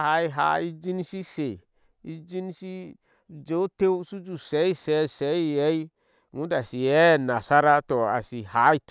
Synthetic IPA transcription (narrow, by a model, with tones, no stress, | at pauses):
ha˨˦i˧ɦa̰˨˦i˦d͡ʒi˦n˦si˦se˨ | i˦d͡ʒi˦n˦si˦˨ | d͡ʒe˨˦te˦wsu˦d͡ʒu˨sɛ˨˦i˦˨sɛ˨˦˨sɛ˨˦i˦˧˨jɛ˨˦i˦ | ŋu˨˦da˨si˨jɛ˨˦˨na˨sa˦ɾa˦tɔ˨a̰˨si˨ha˨˦i˦t